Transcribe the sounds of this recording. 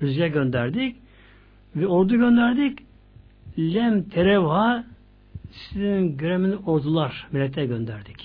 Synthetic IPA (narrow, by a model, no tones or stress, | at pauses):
yzjɛɟø̞nd̪æɾd̪ic | vɛoɾd̪uɟø̞nd̪æɾd̪ic | lʲɛmt̪ʰeɾeva | sizinɟøɾeminiʔoɾd̪ulˠaɾmilʲːɛt̪ʰːɛɟø̞nd̪æɾd̪ic